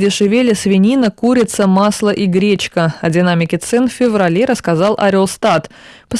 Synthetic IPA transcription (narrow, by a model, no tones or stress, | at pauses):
dʲɪʂɨvʲelʲəsvʲɪnʲinəkuɾʲɪt̪səmɑslˠəʔiɡɾʲet͡ɕkəɐdʲɪnamʲɪkʲɪt̪sɛnfʲɪvrɐlʲeɾəskazɑlˠʔɐ̰ɾʲolˠst̪at̪pəs